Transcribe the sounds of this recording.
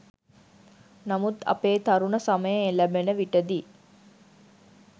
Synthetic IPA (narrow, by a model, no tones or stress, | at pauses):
nɐmut̪ɐ̰peːt̪ɐɾunəsaməjəelæbenəʋiʈəd̪i